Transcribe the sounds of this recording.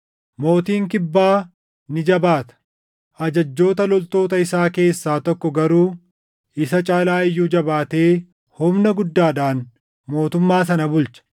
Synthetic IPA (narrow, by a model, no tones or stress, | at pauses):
mo̞ːt̪iːŋk̬ɪbːaː | nɪd͡ʒɐbaːt̪ɐ̥ | ʔɐd͡ʒɐd͡ʒːo̞ːt̪ɐlɔlt̪o̞ːt̪ɐɪsaːke̞ːsːaːt̪ɔkːɔɡɐɾuː | ɪsɐt͡ʃʼaːlaːɪjːuːd͡ʒɐbaːt̪e̞ː | hʊmnɐɡʊd̪ːaːd̪aːn | mo̞ːt̪ʊmːaːsɐnɐbʊlt͡ʃɐ̥